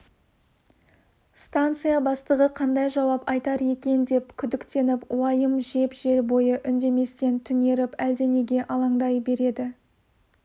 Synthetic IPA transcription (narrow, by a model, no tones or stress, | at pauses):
st̪ant̪sɨjabɑst̪əʁəqʰɑnd̪ɑjʒɑwɑpɑjt̪ɑɾe̞kʲe̞nd̪e̞pkʲʰʏd̪ɪkt̪e̞nɪpṵɑjəmʒe̞pʒe̞ɾbo̞jəʔʏnd̪e̞me̞st̪e̞nt̪ʰʏne̞ɾɪpæld̪e̞ne̞ɡʲe̞ʔɑlˠɑɴd̪ɑjbe̞ɾe̞d̪ɪ